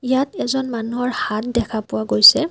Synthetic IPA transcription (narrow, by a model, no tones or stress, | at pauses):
ijatɛzɔnmanuɦɔɹhat̚dɛkʰapʊwaɡojsɛ